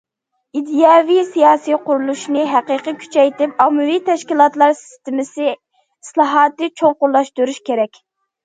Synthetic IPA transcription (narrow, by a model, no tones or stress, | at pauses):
id̪ijɑvisijɑːsijqʊɾulˠuʃnɨɦæqəqəkʲʰy̥t͡ʃʰɛjt̪ɪpɑmːɨvit̪ʰɛʃkʲilˠɑt̪lˠɑɾsɪ̥st̪ɪmɪsɪ | islˠɑɦɑːt̪ɨt͡ʃʰoŋqʊɾlˠɑʃt̪uɾuʃkʲeɾɛkʲ